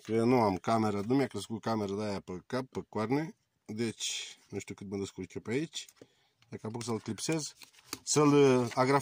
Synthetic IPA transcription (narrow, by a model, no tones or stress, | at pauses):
kənuamkameɾanumjakɾəskukameɾəd̪ajapəkap̚pːəkwaɾne | d̪et͡ʃnuʃt̪ʲukɨt̪̚mənd̪əskulkʲopait͡ʃ | d̪akap̬uks̬əlklipsez | səlaɡɾa